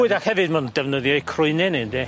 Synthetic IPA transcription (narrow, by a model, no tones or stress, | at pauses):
ɨdakhɛvɨdmandɛvnəðjɔjkʰrʊɨnɨnɨndɛ